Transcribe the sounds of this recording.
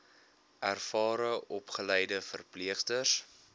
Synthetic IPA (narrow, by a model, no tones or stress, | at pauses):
ʔærfɑːɾəʔɔpχəlɛjdəfərpliəχtəs